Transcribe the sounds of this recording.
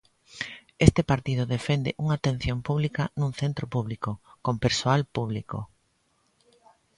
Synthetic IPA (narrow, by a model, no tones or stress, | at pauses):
est̪epaɾt̪ið̞ʊðefend̪eʔuŋat̪en̟θjompuβlikanũŋθent̪ɾopuβlikokompeɾsoalpuβ̞liko̰